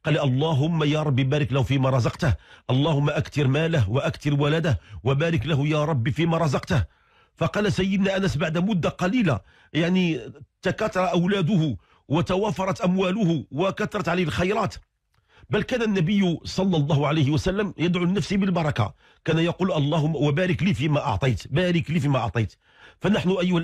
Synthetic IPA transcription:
qɑlʔɑlˤːɑɦʊmːajɑɾˤɑbːibæɾəklæhufimaɾˤɑzɑqt̪əhʔɑlˤːɑhʊmːaʔækt̪ɪɾmæləhwæʔækt̪ɪɾwælæd̪əhwabæɾəklæhʊjɑɾˤɑbːifimaɾˤɑzɑqt̪əh | fɑqɑːlsæjːəd̪næʔænæsbaʕd̪æmʊd̪ːaqɑlila̰ | jaʕnit̪akɑt̪ːɑɾˤɑʔæwlæd̪ʊhʊ | wət̪æwæfɑɾˤɑt̪ʔæmwælʊhʊwəkɑt̪ːɑɾˤɑt̪ʕalihlxɑjɾˤɑːt̪ | bælkænænːæbəjːʊsˤɑlːɑlˤːɑːhʊʕalejhɪwæsælːəmjəd̪ʕulɪnæfsibəlbɑɾˤɑka̰ | kænæjɑquːlʔɑlˤːɑhʊmːwæbæɾəklifimæʔɑ̰ʕt̪ˤɑjt̪bæɾəklifimæʔɑʕt̪ˤɑjt̪ | fænaħnʊʔæjːʊhæ

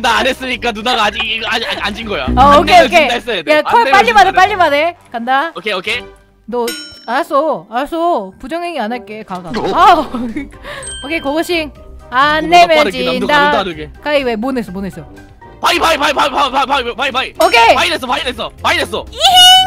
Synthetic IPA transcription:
ndaːnes͈ɯɲik͈anunaɡaːd͡ʑiaaand͡ʑinɡʌja̰aokʰeokʰeaes͈ʌdjakʰop͈aʎːimanep͈aʎːimanekandaokʰeokʰe | dʌaɾas͈oaɾas͈opud͡ʑʌŋɦeŋianaɭk͈e̞kaɡa | okʰekoɡʌɕʰiŋ | anːemjʌnt͡ɕidaeɡekaiwemones͈ʌmones͈ʌo | paipaipaipaipaapaipaipaiokʰepaides͈ʌpaides͈ʌpaides͈ʌ

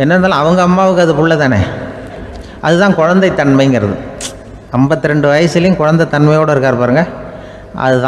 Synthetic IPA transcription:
ɛnːɐɾɯnd̪aːlãːɐʋɐŋɡɐɐmːaːʋɯkːɯɐðɯpʊɭːɐt̪aːnḛː | ʔɐðɯt̪ãːkʊɻɐnd̪ɐɪt̪ːɐnmɐɪŋɡɐɾɐðɯ̰ | ɛmbɐt̪ːɪɾɛɳɖɯʋɐjɐsɪlɐjʊ̃kʊɻɐnd̪ɐt̪ːɐɳmɐɪjoːɽɐɪɾɯkːaːɾɯpaːɾɯːŋɡɐ | ʔɐ̰ðɯt̪ã

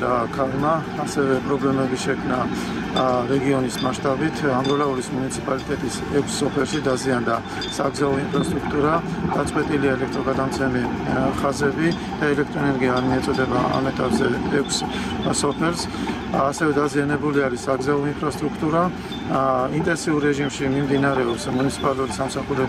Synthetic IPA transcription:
akʰalmaːsɛvɛpʼɾɔblɛmɛbiʃɛkʰmna | ɾɛɡiɔnismaʃt̪ʼabit̪ʰaŋɡɔlauɾismunit̪sʰipʼalit̪ʼɛt̪ʼis | ɛkʷʰsːɔpʰɛlˠʃid̪aziand̪a | saɡzaɔinpʰɾast̪ʼɾukʰt̪ʼuɾad̪̥at̪sʼqʼwɛt̪ʼiliaɛlɛkʰt̪ʼɾɔɡad̪amt̪sʰɛmi | χazɛbi | d̪̥aɛlɛk̚ʰt̪ʼɾɔɛnɛɾɡiaːɾmiɛt̪sʼɔd̪ɛbaa̰mɛt̪ʼapzɛɛkʷʰs | sɔpʰɛlˠsː | sɛvɛd̪azianɛbuliaɾisaɡzaɔinpʰɾast̪ʼɾukʰt̪ʼuɾa | int̪ʼɛnsiuɾːɛʒimʃimimd̪inaɾɛɔpsmunit̪sʰi̥pʼaluɾisamsaχuɾɛ

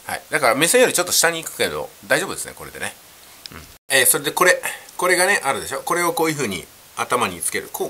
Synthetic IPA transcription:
ha̰id̪akaɾamesẽjo̞ɾʲit͡ɕo̞t̪ːo̞ɕi̥t̪aɲ̟iːkɯ̟̥ke̞d̪o̞̰d̪aiʑobɯ̟d̪e̞sɨneko̞ɾe̞d̪e̞̰ne̞ | ɯ̃ɴ | esoɾe̞d̪e̞ko̞ɾe̞ko̞ɾe̞ɡane̞ʔaɾɯ̟d̪e̞ɕo̞ːko̞ɾe̞o̞ko̞ːjɯ̟ɸɯ̟ːɲ̟ḭ | at̪amaɲ̟it͡sɨ̥ke̞ɾɯ̟̰kʰoː

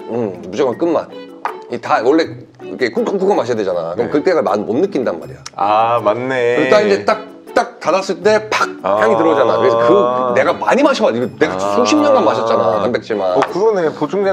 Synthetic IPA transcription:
ɯmbud͡ʑʌŋank͈ɯnma̰n | itawʌɭːe̞ | ikʰe̞kuk͈ok͈uɡamaɕʰijadwed͡ʑana̰kɯɾɯmkɯt͈eɡɯɭma̰nmonːɯk͈indanma̰ɾḭjaamanːeɯt͈aind͡ʑe̞t͈ak̚ | t͈ak̚tadas͈ɯɭt͈e̞pak̚hjaŋitɯɾʌd͡ʑanakɯɾesʰʌkɯne̞ɡamaɲimaɕʰʌmaiɡene̞ɡasʰoɕʰimɲʌnɡanmaɕʰʌt̚t͡ɕ͈anakanbe̞k̚t͡ɕ͈imankɯɾonepot͡ɕʰoŋd͡ʑe

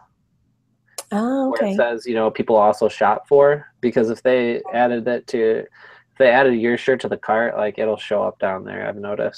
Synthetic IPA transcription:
oowə˞esɛzjɨnoʊpʰipl̩ˠɔlˠsoʊʃɑ̰tfə˞b̥ɨkʰʌzɨfðeɪæɾɨd̪̚ɪtʰɨ | ɪfðeɪæɾɨd̚jɪɹʃə˞ɾɨðɨkʰɑɹla̰ɪkɨɾl̩ˠʃoʊʌ̰p̚d̥ãʊ̃nðə̰˞a̰ɪvnoʊɾɨ̰st̚

